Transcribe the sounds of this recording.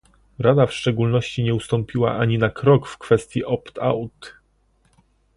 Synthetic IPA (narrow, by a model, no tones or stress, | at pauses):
ɾad̪afʂt͡ʂɛɡulnɔɕt͡ɕiɲɛust̪ɔmpʲiwa̰ʔaɲinakɾɔkfkfɛst̪ʲjiʔɔpt̪a̰wt̪